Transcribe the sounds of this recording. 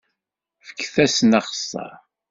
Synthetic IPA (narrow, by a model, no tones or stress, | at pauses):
fə̥kːθæsnɑχə̥sˤːɑ̰